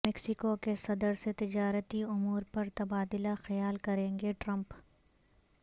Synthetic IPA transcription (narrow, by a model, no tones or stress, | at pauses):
mɛksɪkokesɐd̪əɾset̪ɪd͡ʒaːɾət̪iʊmuːɾpɐɾt̪ɐbaːd̪ɪlaxɐjaːlkɐɾẽːŋɡeʈɾɐ̃mp